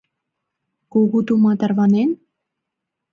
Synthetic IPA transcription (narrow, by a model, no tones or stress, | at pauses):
koɣut̪umɑt̪ərvɑnen